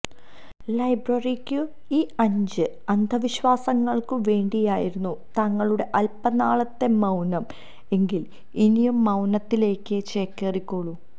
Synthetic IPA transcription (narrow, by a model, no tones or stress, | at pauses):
lɐjbrɐrikʲːɨ | iːɐɲd͡ʑɨ | ɐnd̪ʱɐʋiɕʋaːsɐŋːɐɭkɨʋe̞ːɳɖijaːjiɾunːut̪ɐŋːɐɭuɽe̞ʔɐlpɐnaːɭɐt̪ːe̞mɐwnɐm | e̞ŋɡil | inijumːɐwnɐt̪ːile̞ːkːɨt͡ɕe̞ːkːerikʲːoɭu